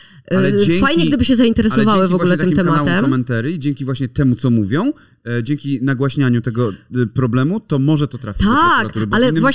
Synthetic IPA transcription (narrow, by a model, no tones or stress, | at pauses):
lɛfajɲɛɡ̚d̪ɘbɘɕɛzaint̪ɛɾɛsɔvawɘvɔɡvaulɛtt̪ɨmt̪ɛmaaw̪ɛmɔmɛnt̪aɾjid͡ʑɛŋkʲivwaɕɲɛt̪ɛmut̪sɔmuvʲjɔ̃w̃ | d͡ʑɛŋkʲinaɡwaɕɲaɲut̪ɛɡɔpɾɔblɛmut̪ɔmɔʐɛt̪ɔt̪ɾa̰fʲt̪akt̪uɾbalɛvwaɕ